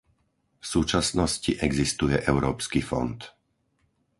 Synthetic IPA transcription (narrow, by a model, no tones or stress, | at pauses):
fsuːt͡ʃasnɔsciʔɛɡzist̪ujɛʔɛʊɾɔːpskifɔ̰nt̪